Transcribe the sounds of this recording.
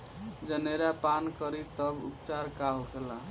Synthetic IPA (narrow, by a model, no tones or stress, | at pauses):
d͡ʒəneɾapankəɾit̪əbṵpt͡ʃaɾkaɦokela